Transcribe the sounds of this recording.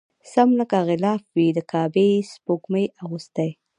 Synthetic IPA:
samlakaɣɪlɑfwid̪əkʰɑbespokməjaɣust̪aj

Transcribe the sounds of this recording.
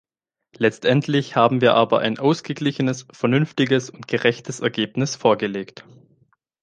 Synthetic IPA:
lɛt͡stʔɛntʰlɪçhaːbm̩viːɐʔaːbɐ̰ʔaɪnʔaʊsɡ̥əɡlɪçənəsfɛɐnʏnftɪɡəsʊntɡ̥əʁɛçtʰəsɛɐɡeːpnɪsfoːɐɡəleːkt

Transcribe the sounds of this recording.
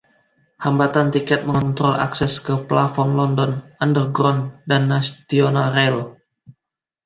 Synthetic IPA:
hambat̪ant̪ikɛt̪̚məŋɔnt̪ɾɔlʔa̰ksɛskəplafɔnlɔndɔnandərɡɾɔndanːast̪ionalrɛl

